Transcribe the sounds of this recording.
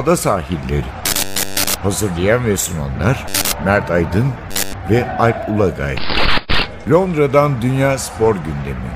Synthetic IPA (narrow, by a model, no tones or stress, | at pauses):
d̪asaːɦilʲːḛɾi | hazɯɾlˠajanveslʲma̰nlˠaɾ̥mæɾt̪ʰajd̪ɯnvɛajp̚ulˠaɡa̰j | lʲo̞nd̪ɾad̪and̪ynjaːspʰo̞ɾɟynd̪e̞mḭ